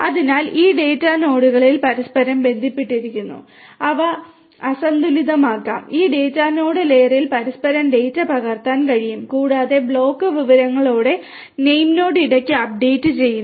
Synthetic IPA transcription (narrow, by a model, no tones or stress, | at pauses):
ɐðinaːliːɖeːtːaːno̞ːɽuɣɐɭilpɐɾɐspɐɾɐmbe̞nd̪ʱipːiʈːiɾikʲːunːṵ | ɐʋɐ | ɐsɐnd̪uliðɐmaːkːa̰ːmiːɖe̞ːtːaːno̞ːɽɨle̞ːrilpɐɾɐspɐɾɐmɖe̞ːjtːɐpɐɣɐrt̪aːnkɐɻijumkuːɽaːðe̞bɭo̞ːkːɨʋiʋɐɾɐŋːɐɭo̞ːɽe̞ | nejmno̞ːɽɨiɽɐkʲːɨɐp̚ɖe̞jtːɨt͡ɕe̞jːunː